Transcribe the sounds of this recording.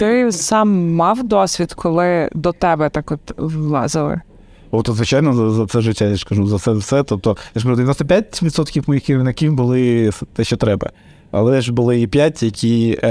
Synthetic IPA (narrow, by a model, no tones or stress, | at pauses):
t̪ɪsɑmːɑwd̪ɔsʲʋʲid̪kʰɔlˠɪd̪ɔt̪ɛbɛt̪ɑkɔt̪ʋlˠɑ̰zɪlˠɪ̰ | ɔt̪ɔzʋɪt͡ʃajnɔzɐzɐt̪sɛʒɪtʲːajaskɐʒuzɐsɛwsɛt̪ɔp̚t̪ɔj̪ɛʃkɐud̪ʲinɔst̪ɐpʲjatʲʋʲid̪sɔt̪kʲiwmɔjixiɾɪʋnɐkʲiwbʊlˠɪst̪ɛʃt͡ʃɔt̪ɾɛbɐ̰ | ɐ̰lˠɛɛʒbʊlˠɪipʲjatʲjɐkʲʰi